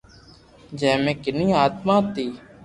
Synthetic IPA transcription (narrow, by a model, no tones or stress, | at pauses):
d͡ʒɛ̃ːmẽːkɪnĩːaːt̪mãːt̪iː